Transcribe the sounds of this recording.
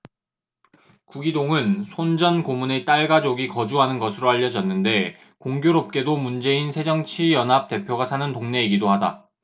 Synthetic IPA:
kuɡidoŋɯnsʰond͡ʑʌnkomune̞t͈aɭɡad͡ʑoɡikʌd͡ʑuɦanɯnɡʌsʰɯɾoaʎːʌd͡ʑʌnːɯnde̞ | koŋɡjoɾop̚k͈e̞domund͡ʑe̞insʰe̞d͡ʑʌŋt͡ɕʰijʌnɦap̚t͈e̞pʰjoɡasʰanɯntoŋne̞iɡidohada̰

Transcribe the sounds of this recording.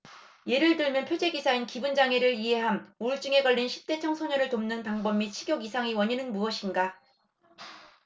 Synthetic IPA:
je̞ɾɯɭtɯɭmjʌnpʰjod͡ʑe̞ɡisʰainkibund͡ʑaŋe̞ɾɯɭiɦe̞ɦanuɭt͡ɕ͈uŋe̞ɡʌʎːinɕʰi̥p̚t͈e̞t͡ɕʰʌŋsʰoɲʌnɯɭtomnɯnpaŋbʌmːit͡ɕʰiɡjoɡisʰaŋiwʌɲinɯnmuʌɕʰinɡa

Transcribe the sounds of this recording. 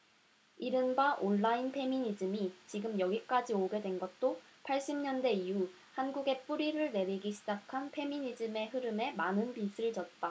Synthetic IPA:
iɾɯnbaʔoɭːainpʰe̞miɲid͡ʑɯmit͡ɕiɡɯmjʌɡik͈ad͡ʑioɡe̞dwe̞nɡʌt̚t͈opʰaɭɕ͈imɲʌnde̞iu | hanɡuɡe̞p͈uɾiɾɯɭne̞ɾiɡiɕʰid͡ʑakʰanpʰe̞miɲid͡ʑɯme̞ɦɯɾɯme̞manɯnpisʰɯɭt͡ɕʌt̚t͈a

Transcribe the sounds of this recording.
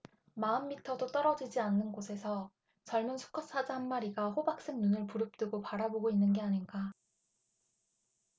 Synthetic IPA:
maɯmːitʰʌdot͈ʌɾʌd͡ʑid͡ʑianːɯnɡosʰe̞sʰʌ | t͡ɕʌɭmɯnsʰu̥kʰʌs͈ʰad͡ʑaɦanmaɾiɡaɸobak̚s͈ɯmnunɯɭpuɾɯp̚t͈ɯɡopaɾaboɡoinːɯnɡe̞aɲinɡa

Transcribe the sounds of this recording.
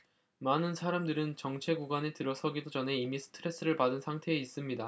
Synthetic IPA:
manɯnsʰaɾamdɯɾɯnt͡ɕʌŋt͡ɕʰe̞ɡuɡwane̞tɯɾʌsʰʌɡidod͡ʑʌneimisʰɯ̥tʰɯɾe̞s͈ɯɾɯɭpadɯnsʰaŋtʰe̞ːis͈ɯmɲida

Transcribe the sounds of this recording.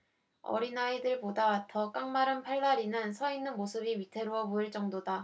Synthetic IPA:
ʌ̰ɾinaidɯɭbodawatʰʌk͈aŋmaɾɯnpʰaɭːaɾinɯnsʰʌinːɯnmosʰɯbiɥitʰe̞ɾoʌboiɭt͡ɕ͈ʌŋdoda

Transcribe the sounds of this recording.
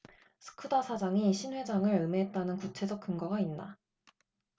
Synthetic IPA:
sʰɯ̥kʰɯdasʰad͡ʑaŋiɕʰinwe̞d͡ʑaŋɯɾɯme̞ɦet̚t͈anɯnkut͡ɕʰe̞d͡ʑʌk̚k͈ɯŋɡaɡainda

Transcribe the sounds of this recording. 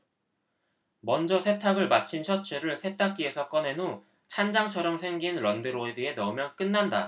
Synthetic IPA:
mʌnd͡ʑʌsʰe̞tʰaɡɯɭmat͡ɕʰint͡ɕʰʌt͡ɕʰɯɾɯɭsʰe̞tʰak̚k͈ie̞sʰʌk͈ʌne̞no | t͡ɕʰand͡ʑaŋt͡ɕʰʌɾjʌŋsʰe̞ŋɡinɾʌndɯɾoedie̞nʌmjʌk͈ɯnːanda

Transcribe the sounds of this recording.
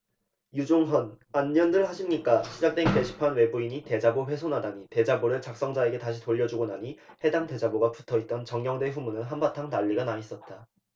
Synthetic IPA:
jud͡ʑoŋɦʌn | anːʌndɯɭhaɕʰimɲik͈aɕʰid͡ʑak̚t͈weŋite̞ɕʰi̥pʰanwe̞buiɲite̞d͡ʑaboɸwe̞sʰonadaɲite̞d͡ʑaboɾɯɭt͡ɕak̚s͈ʌŋd͡ʑae̞ɡe̞taɕ̬ʰitoʎːʌd͡ʑuɡonaɲihe̞daŋte̞d͡ʑaboɡapu̥tʰʌit̚t͈ʌnt͡ɕʌŋɡjʌŋdwe̞ɸumunɯnɦambatʰaŋtaʎːiɡanais͈ʌt̚t͈a

